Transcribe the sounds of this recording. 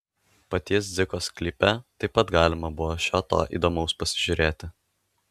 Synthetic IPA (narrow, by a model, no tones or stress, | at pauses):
pɐt̪ʲis̬d̪zʲɪkoːsklʲiːpʲɛt̪ɐɪpːɐt̪ɡɑːlʲɪmɐbʊʋɔːʃʲoːt̪o̰ːʔḭːd̪oːmɒʊspɐsʲɪʒʲʊɾʲeːt̪ʲɪ